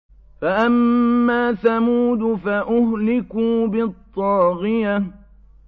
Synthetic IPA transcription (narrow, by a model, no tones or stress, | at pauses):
faʔamːaːθamuːd̪ʊfaʔʊhlɪkuːbɪt̪ˤːɑːɣɪja